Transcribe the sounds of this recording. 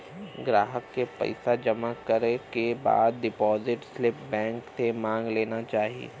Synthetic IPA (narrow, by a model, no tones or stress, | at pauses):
ɡɾaːɦəkːepɐ̰ɪsad͡ʒɐmakəɾekeba̰ːd̪̚ɖɪpɔːzɪʈslɪpbɛ̃ːŋkt̪ʰemãːŋɡleːnat͡ʃaːɦiḛ